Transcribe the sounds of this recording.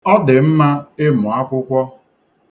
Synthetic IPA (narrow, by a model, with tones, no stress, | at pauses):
ɔ˦dɪ˨m̩˦ma˦ɪ˦mʊ˨a˦kʷʊ˦kʷɔ˦